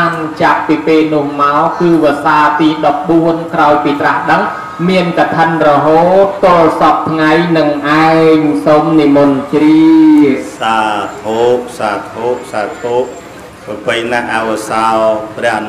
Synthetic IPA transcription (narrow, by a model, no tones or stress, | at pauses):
ant͡ɕap̚piːpeːlnʊ̆əhmaɔkɨːʋə̆əsaːt̪iːɗɑp̚ɓuənkraɔjpiːt̪rahɗəŋ | miənkat̪ʰənrɔɦoːt̪ːŏəlsɑp̚t̪ʰŋajnɨŋʔaɛŋsomnimunt͡ɕri | saːt̪ʰoːʔ̚saːt̪ʰoːʔ̚saːt̪ʰoːʔ̚ | pəpəjnaʔaʋəsalprɛ̆əhn